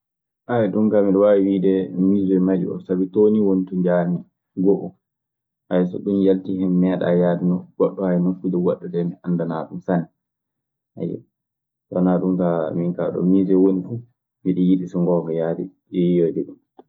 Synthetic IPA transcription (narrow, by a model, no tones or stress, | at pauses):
ʔajɛɗumkamiɗɔwawiwidɛmizɛmad͡ʒuɔ̰sabitoniwonituɲd͡ʒaɾmi | ɡɔʔɔ | ʔajɔsɔ̰ɗumjaltihɛmːɛɗa̰jadinɔɡ̥ɔɗːɔhajnokudɛwaɗːɔdɛmiʔandanaɗumsanɛ | ʔa̰jɛ̰ | tɔnaɗumkamiŋkaɗɔ̰mizɛwonifu | miɗijiɗisɔŋɡɔŋɡɔjadɛ̰ | ɛjodɛɗum